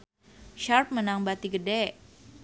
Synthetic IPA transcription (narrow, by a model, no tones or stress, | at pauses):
ʃarp̚mənaŋbat̪iɡədɛʔ